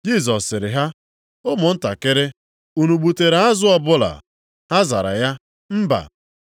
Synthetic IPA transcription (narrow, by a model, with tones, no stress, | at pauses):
d͡ʒi˦˨zɔ˨sːɪ˨ɾɪ˨ɦa˦ | ʊ˦mʊ˨n̩˦ta˨kɪ˦ɾɪ˦ | u˨nu˨ɡ͡bu˨te˨ɾa˨a˦zʊ˦ɔ˦bʊ˦la̰˨ | ha˦za̰˨ɾa̰˨ja˦ | m̩˦ba̰˨